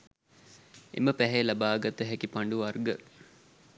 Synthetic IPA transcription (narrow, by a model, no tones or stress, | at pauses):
ḛməpæɦelɐbaːɡat̪əɦɛkipaɳɖuɐrɡə